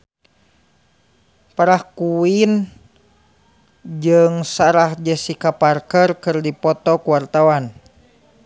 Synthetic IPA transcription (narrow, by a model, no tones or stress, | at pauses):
paɾahkuwin | d͡ʒɨŋsaɾahd͡ʒɛsikaparkərkɨrdipɔt̪ɔkuwart̪awan